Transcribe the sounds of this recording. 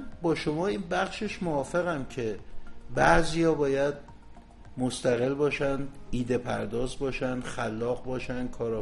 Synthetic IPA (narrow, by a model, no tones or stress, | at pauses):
nbɒːʃomɒːiːnbæχʃeʃmoɒːfe̞ɣæmcʰe̞bæʔziːjɒːbɒːjæd̪̚ | most̪æɣe̞lbɒːʃænd̪iːd̪e̞pʰæɾd̪ɒːzbɒːʃænd̪̥xælːɒːɣbɒːʃænd̪̥̚kʰɒːɾɒ